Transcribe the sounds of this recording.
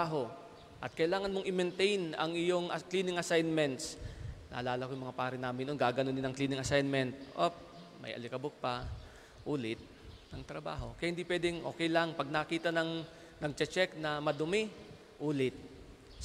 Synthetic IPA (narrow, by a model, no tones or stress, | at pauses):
aɦo̞ | ʔɐt̪̚kɐʔɪlaːŋɐnmoŋʔɪmɛnt̪ɛjnɐ̰ŋɪjo̞ŋʔɐkliːnɪŋɐsajnmɛnt̪snʔa̰ːlaːlɐkojʊŋmɐŋapaːɾɪnaːmɪnonɡaɡɐnond̪ɪnɐŋkliːnɪŋɐsajnmɛnt̪̚ʔop̚ | mɐ̰jʔɐ̰lɪkɐbok̚pɐ | ʔuːlɪt̪̚ | nɐŋt̪ɾɐba̰ːɦo̞kɐjahɪnd̪ipwɛːd̪ɛŋʔo̞̰ːkɛjlaŋpɐɡ̚nɐkiːt̪ɐnɐŋ | nɐɡ̚t͡ʃɛt͡ʃɛknɐmɐd̪ʊmɪ | ʔuːlɪt̪̚